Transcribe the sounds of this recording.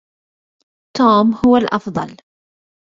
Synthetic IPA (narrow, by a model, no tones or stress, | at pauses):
t̪oːmhʊwalʔɑfðˤɑl